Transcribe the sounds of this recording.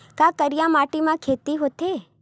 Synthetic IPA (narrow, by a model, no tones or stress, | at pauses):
kãkəɾjãmaʈimãkʰet̪iɦot̪e